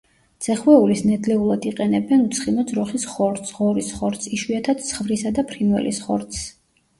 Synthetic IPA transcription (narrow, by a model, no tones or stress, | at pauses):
d̪z̥ɛχwɛulisnɛd̪lɛulˠad̪iqʼɛnɛbɛnut̪sʰχimɔd̪zɾɔχisχɔɾt̪sʁɔɾisχɔɾt̪siʃwiat̪ʰad̪̥t̪sʰχvɾisad̪apʰɾinwɛ̰lḭsχɔɾt̪s